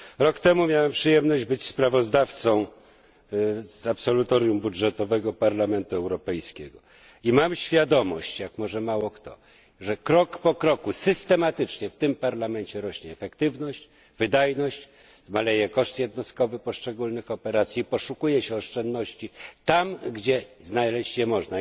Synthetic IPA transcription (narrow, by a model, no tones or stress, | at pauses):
ɾɔkt̪ɛmumʲjawɛmpʂɘjɛmnɔʑd͡ʑbɘt͡ɕspɾavɔzd̪aft̪sɔ̃w̃ | zapsɔlut̪ɔɾjumbudʐɛt̪ɔvɛɡɔpaɾlamɛnt̪uɛwɾɔpɛjskʲɛɡɔ | imamɕfʲjad̪ɔmɔ̰ɕt͡ɕjakmɔʐɛmawɔkt̪ɔ̰ | ʐɛkɾɔkpɔkɾɔkusɘst̪ɛmat̪ɘt͡ʂɲɛft̪ɘmpaɾlamɛɲt͡ɕɛɾɔɕɲɛːfɛkt̪ɘvnɔɕt͡ɕ | vɘd̪ajnɔɕt͡ɕ | zmalɛjɛkɔʂt̪jɛd̪nɔst̪kɔvɘpɔʂt͡ʂɛɡulnɘxɔpɛɾat̪sʲjipɔʂukujɛɕɛɔʂt͡ʂɛnd̪nɔɕt͡ɕit̪amɡd͡ʑɛznajlɛɕt͡ɕjɛmɔʐna